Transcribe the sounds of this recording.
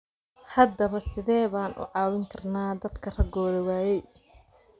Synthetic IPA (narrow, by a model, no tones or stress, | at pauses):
hɐd̪ɐβɐsɪðɛːβaːnʔʊ̰ʕɑːwɪŋkʰɐrnaːd̪ɐd̪kʰɐrɐɡɔːðɐwaːjɛj